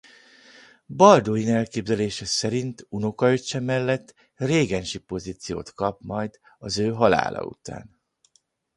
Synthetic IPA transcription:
bɒld̪oinɛlkeːbzɛleːʃɛsɛɾint̪uno̞kɒøt͡ʃːɛmɛlːɛt̪ː | reːɡɛnʃipo̞zit̪sijo̰ːt̪kɒp̚mɒjd̪ | ɒzøːɦɒla̰ːlɒ̰ṵt̪a̰ːn

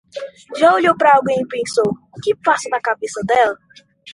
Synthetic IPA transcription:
ʒaoʎowpɾɐawɡẽj̃ɪpẽsowʊkɪfasʊnɐkabesɐd̪ɛlɐ

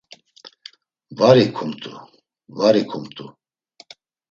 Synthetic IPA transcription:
vaɾikʰumt̪ʰʼṵ | vaɾikʰumt̪ʰʼu

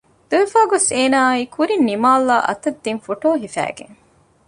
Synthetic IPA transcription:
d̪̥uʋefaːɡoseːnaːikʰuɾinːimaːlːaːʔɐ̰t̪ɐd̪ːinfoʈoːɦifæ̰ːɡḛŋ

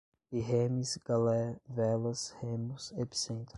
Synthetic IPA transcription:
iɦẽmisɡalɛvɛlɐshẽmusepi̥sẽnt̪ɾ

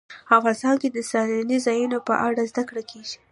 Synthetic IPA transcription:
afʁɑnɪst̪ɑnked̪əsɑlanizɑjunopə̰ʔaɽazd̪akɽakʰeʒi̥

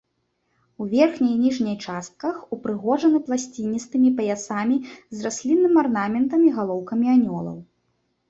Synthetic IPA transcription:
uvʲɛrxnʲɐjnʲiʐnʲɐjt͡ʂast̪̚kɐxupɾɨɣɔʐɐnɨplˠasʲt͡sʲinʲːist̪ɨmʲipɐjasamʲizrasʲlʲinːɨmʲarnamʲɛnt̪ɐmʲiɣalˠɔwkɐmʲianʲɔlˠɐ̰w

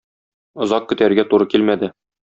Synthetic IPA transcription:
ŏzɑq̚kɵ̆t̪æɾɡæt̪uɾɤkilmæd̪ɘ

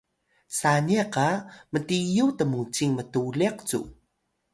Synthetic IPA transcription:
saniaqamətijutəmut͡siŋmətuleq̚t͡sṵ

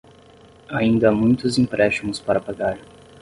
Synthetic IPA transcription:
aĩnd̪ɐamũj̃t̪ʊzĩpɾʔɛʃt͡ʃimʊspaɾɐpaɡaɾ

